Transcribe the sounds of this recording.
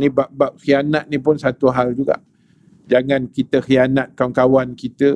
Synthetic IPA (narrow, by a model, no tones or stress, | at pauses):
nĩbaʔbap̚xianat̪̚nipʊnsat̪uɦald͡ʒuɡa̰ʔ | d͡ʒaŋãnkit̪əxianat̪̚kaŋkawankit̪ə